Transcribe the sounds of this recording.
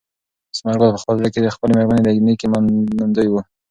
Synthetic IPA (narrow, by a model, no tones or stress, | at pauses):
smaɾɡod̪̚pəxpəlzaked̪əxpəlemeɾmaned̪əɡnikemaand̪əjwu